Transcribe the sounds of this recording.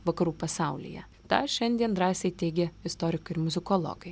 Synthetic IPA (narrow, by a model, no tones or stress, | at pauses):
ʋɐkɐɾuːpɐsɑˑʊlʲḭjɛ̰ | t̪ɑ̰ːʃʲɛnʲd̪ʲiɛnd̪ɾɑːsʲɛɪt̪ʲɛɪɡʲɛɪst̪ɔːɾʲɪkʊɪɾmʊzʲɪkoːlˠo̰ːɡɐɪ